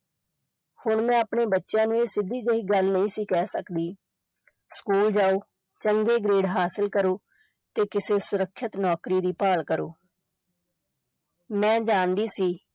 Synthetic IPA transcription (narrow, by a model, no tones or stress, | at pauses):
hʊɳmɛ̃ːapɳeːbətːʃjãːnũːeːsɪd̪ʱiːd͡ʒəiːɡəlnəĩːsiːkɛːsəkd̪iː | skuːld͡ʒaːoː | t͡ʃəŋɡeːɡɾeːɖɦaːsɪlkəɾoː | t̪eːkɪseːsʊɾəkʰːət̪nɔːkɾiːd̪iːpaːlkəɾo̰ː | mɛ̃ːd͡ʒaːnd̪iːsiː